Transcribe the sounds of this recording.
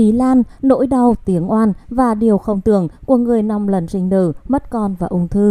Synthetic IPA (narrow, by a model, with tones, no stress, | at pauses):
i˨˦laː˧nːo̰˧˥jɗə˨˧˩wt̪i˨˦əŋʔwaː˧nvaː˨˩ɗi˨˩əwxə˧wŋ͡mt̪ɨ˧˩˨əŋku˧˩əŋɨ˨˩əjna˧mlə˨˩nzï˧ŋ̟ɗ̪ɨ̰˧˩mə˦˥t̚kɔ˧nvaː˨˩ʔʊ˧ŋ͡mt̪ʰɨ˧